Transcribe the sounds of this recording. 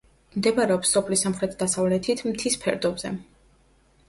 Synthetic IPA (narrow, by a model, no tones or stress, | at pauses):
md̪ɛbaɾɛɔpsːɔpʰlisamχɾɛt̪ʰd̪asavlɛt̪ʰit̪ʰmt̪ʰispʰɛ̰ɾd̪ɔbzɛ̰